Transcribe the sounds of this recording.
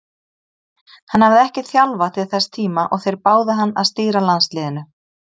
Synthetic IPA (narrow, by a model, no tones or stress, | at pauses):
hanhavðɪɛhcɪθjalvat̪ʰɪlθɛst̪ʰiːmaʔɔɣθejɾpaːwðɪɦanːa̰ðst̪iːɾalanslɪːðɪnʏ